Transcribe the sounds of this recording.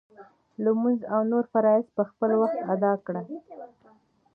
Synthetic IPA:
ləmunzawnoɾfaɾɑɪspəxpəlwaxt̪ad̪ɑkɽa

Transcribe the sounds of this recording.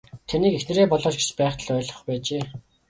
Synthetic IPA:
t̪ʰaniːkexnɘ̆ɾeːpɔɮɔːt͡ɕɡe̥t͡ɕpæːχt̪ə̆ɮœːɮʁɞ̆χpæːt͡ɕeː

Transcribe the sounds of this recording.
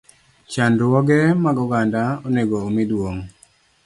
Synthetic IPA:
t͡ʃandwɔɡɛmaɡɔɡandaɔneɡoːmidwoŋ

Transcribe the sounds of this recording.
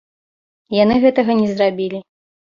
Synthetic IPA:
janɨɣɛt̪ɐɣɐnʲɛzrabʲilʲi

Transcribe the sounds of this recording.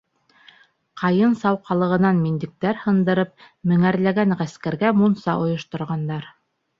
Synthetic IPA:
qʰɑjɤnsɑwqɑlˠɤ̆ʁɤ̆nɑnmind̪ɘ̆k̚t̪æɾhɤ̆nd̪ɤ̆ɾɤp̚ | mɘ̆ŋæɾlæɡæŋʁæskæɾɡæmunsɑʔŏjŏʃt̪ŏɾʁɑnd̪ɑɾ

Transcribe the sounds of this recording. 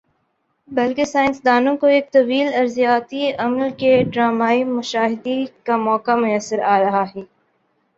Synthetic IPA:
bɐlkesaːɪ̃nsd̪aːnõkoeːk̚t̪ɐʋiːlɐɾzijaːt̪iɐmlkeɖɾaːmaːimʊʃaːɦɪd̪ikamɔːkamʊjəsːəɾaːɾɐɦaɦɛː

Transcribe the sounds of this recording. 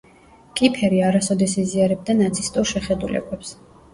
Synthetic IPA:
kʼipʰɛɾiaɾasɔd̪ɛsiziaɾɛb̚d̪anat̪sʰist̪ʼuɾʃɛχɛd̪ulɛ̰bɛps

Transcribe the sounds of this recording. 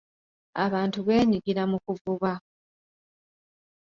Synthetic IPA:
aβaːntuβe̞ːɲiɡiɾamukuvuβa

